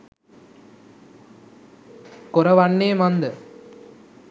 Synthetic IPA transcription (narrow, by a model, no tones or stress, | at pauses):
kʊɾɐʋɐɳːeːmɐnd̪ɯ